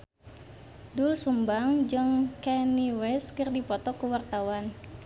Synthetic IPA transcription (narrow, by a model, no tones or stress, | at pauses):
dulsumbaŋd͡ʒɨŋkɛniwɛskɨrdipɔt̪ɔkəwart̪awan